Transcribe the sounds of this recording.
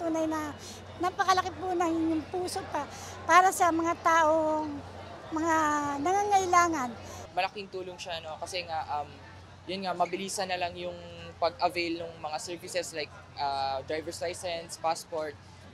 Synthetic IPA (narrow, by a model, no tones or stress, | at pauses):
t̪uːnɐjnɐ | napɐkɐlɐkɪpunɐŋɪɲːoŋpuːso̞pa | paːɾɐsɐmɐŋat̪aːʔoŋmɐŋanɐŋaːŋɐjlaːŋɐnmɐlɐkɪŋt̪uːloŋʃano̞kɐsɛŋaʔɐm | jʊnŋamɐbɪliːsɐnɐlaŋjʊŋpɐɡʔɐvɛjlnʊŋmɐŋasɛɹvɪsɛslajk̚ | ʔad̪ɹajvɛɹslajsɛnspaspoɹt̪̚